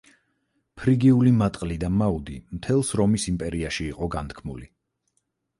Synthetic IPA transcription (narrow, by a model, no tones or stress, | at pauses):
pʰɾiɡiulimat̪ʼqʼlid̪amaud̪imt̪ʰɛlˠsɾɔmisimpʼɛɾiaʃiːqʼɔɡant̪̚ʰkʰmuli